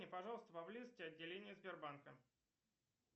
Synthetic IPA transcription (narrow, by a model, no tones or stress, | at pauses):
nʲɪpɐʐɑlˠəst̪əpɐblʲizətʲɪɐdʲːɪlʲenʲɪjəzbʲɪrbankə̰